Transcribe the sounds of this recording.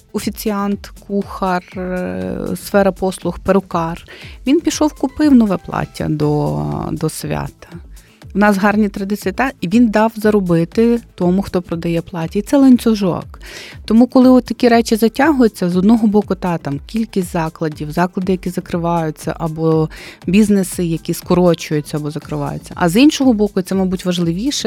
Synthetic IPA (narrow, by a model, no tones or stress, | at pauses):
ɔfʲit͡sʲiɑnt̪kuxɐr | sfɛɾɐpɔslˠʊxpeɾʊkɑrʋʲinpʲiʃɔwkʊpɪwnɔʋɛplˠɑ̰tʲːɐ̰d̪ɔ̰d̪ɔsʲʋʲa̰t̪ɐ̥ | ʋʊnɑsɦɑrnʲit̪ɾɐd̪ɪsʲɐt̪ɑiʋʲind̪ɑwzɐɾɔbɪt̪ɪt̪ɔmʊxt̪ɔpɾɔd̪ɐjɛplˠɑtʲɐit̪sɛlˠɐnʲt͡s̪ʲʊʒɔ̰kt̪ɔmukɔlˠɪɔt̪t̪ːɐkʲiɾɛt͡ʃɪzɐtʲaɦʊjʊt͡sʲːɐzɔd̪nɔɦɔbɔkʊt̪ɑt̪ɑmkʲilʲkʲisʲtʲzɑklˠɐdʲiwzɑklˠɐd̪ɪjɐkʲizɐkɾɪʋɑjʊt͡sʲːɐ̰ʔɐbɔbʲiznesɪjɐkʲiskɔɾɔt͡ʃʊjʊt͡sʲːɐɐbɔzɐkɾɪʋɑ̰jʊ̰t͡sʲːɐ̰ʔɐ̰zinʃɔɦɔbɔkʊit̪sɛmɐjbutʲʋɐʒlˠɪʋʲiʃɛ